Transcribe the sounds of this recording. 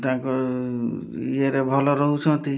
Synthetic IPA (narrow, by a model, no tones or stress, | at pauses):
t̪aãkɔ | ieɾebʱɔlɔɾɔɦut͡ʃʰɔ̃t̪i